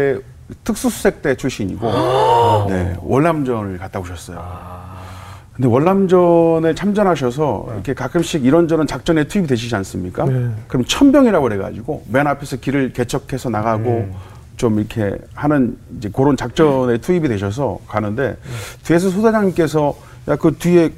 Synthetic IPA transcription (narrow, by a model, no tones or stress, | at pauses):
e | tʰɯk̚s͈usʰu̥sʰe̞k̚t͈e̞t͡ɕʰuɕ͈ʰiɲḭɡo | ne̞̰wʔʌɭːamd͡ʑʌnɯɭkat͈aɡoɕʰʌs͈ʌjo̰ | kɯnde̞wʌɭːamd͡ʑʌnet͡ɕʰamd͡ʑʌnɦaɕ̬ʰʌs̬ʰʌ̰ḭkʰe̞kak͈ʰɯmɕ͈iɡiɾʌnd͡ʑʌɾɯnt͡ɕak̚t͡ɕ͈ʌne̞tʰuibideɕ̬ʰid͡ʑians͈ɯmɲik͈akɯɾʌmʌnt͡ɕʰʌmbjʌŋiɾaɡoɾe̞ɡa̰d͡ʑiɡomenapʰe̞sʰʌkiɾɯɭke̞t͡ɕʰʌkʰe̞sʰʌnaɣaɡo | t͡ɕomiʌkʰe̞̰hanɯnid͡ʑe̞koɾont͡ɕak̚t͡ɕ͈ʌnetʰuibidwe̞ɕ̬ʰʌs̬ʰʌkanɯnde̞̰tie̞s̬ʰʌsʰosʰad͡ʑaŋk͈e̞s̬ʰʌ | jakɯtɥie̞